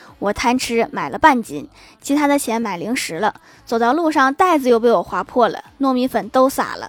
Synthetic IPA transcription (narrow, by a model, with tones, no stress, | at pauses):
wɔ˨˩t̪ʰa˥nʈ͡ʂʰɻ̩˥ma˨˩ɪlʔə˦pa˥˩nt͡ɕḭ˧˥˩n | t͡ɕʰi˧˥t̪ʰa˥d̪ə˨t͡ɕʰjɛ˧˥nma˨˩ɪli˧˥ŋʂɻ̩˧˥lə˧ | t͡so˨˩ʊt̪ɑ˥˧ʊlu˥˧ʂɑ˥˧ŋt̪a˥˩ɪd͡zɹ̩˨˧jo˥˧ʊp̬e˥˩ɪwɔ˨˩xwa˧˥pʰwɔ˥˩lə̰˩nwɔ˥˩mi˧˥nfə˨˩nt̪o˥ʊsa̰˨˩lə̰˦